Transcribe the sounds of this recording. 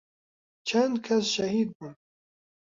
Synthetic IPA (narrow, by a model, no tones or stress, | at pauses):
t͡ʃʰɐnd̪kʰɐsʃɐhiːd̪̚buːn